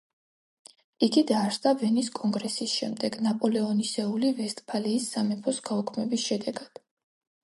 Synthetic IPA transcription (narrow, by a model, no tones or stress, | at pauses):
iɡid̪aːɾsd̪avɛniskʼɔŋɡɾɛsisʃɛmd̪ɛɡnapʼɔlɛɔnisɛulivɛst̪ʼpʰaliːsːamɛpʰɔsɡaɔkʰmɛbisʃɛd̪ɛɡad̪̥